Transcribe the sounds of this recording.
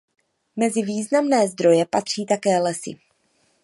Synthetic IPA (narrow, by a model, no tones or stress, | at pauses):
mɛzɪviːznamnɛːzd̪ɾo̞jɛpat̪r̝̥iːt̪akɛːlɛsɪ̰